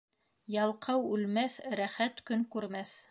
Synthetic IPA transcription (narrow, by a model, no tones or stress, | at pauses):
jɑlˠqʰɑwʉlmæθɾæχæt̪kɵŋkʉɾmæθ